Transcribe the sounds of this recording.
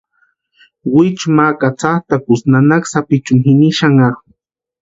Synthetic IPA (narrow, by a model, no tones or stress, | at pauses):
wɪt͡ʃmakat͡saχt̪akʊsnanaksapɪt͡ʃʊmhɪniʃaŋaχ